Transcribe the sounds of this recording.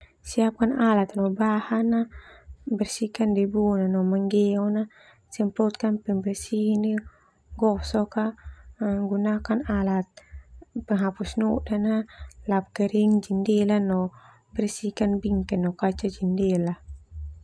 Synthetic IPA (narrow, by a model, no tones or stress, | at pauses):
siap̚kanalat̪nɔbahana | bɛrsikandebunanɔmaŋɡɛɔna | sɛmpɔt̪̚kanpɛmbɛrsihini | ɡɔsɔka | ŋɡunakanalat̪̚pəŋɦapusnuʔdanalap̚kɛɾiŋd͡ʒindɛlanɔ | bɛrsikanbiŋkɛnːɔkat͡ʃad͡ʒindɛla